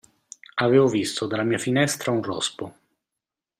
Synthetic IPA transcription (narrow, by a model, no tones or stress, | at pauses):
aveːvovist̪od̪alːamiːafinɛst̪ɾaunrɔ̰spo